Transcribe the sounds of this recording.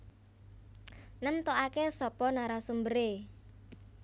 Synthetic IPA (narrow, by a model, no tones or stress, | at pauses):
nəmt̪oʔakesɔpɔnaɾasumbəɾe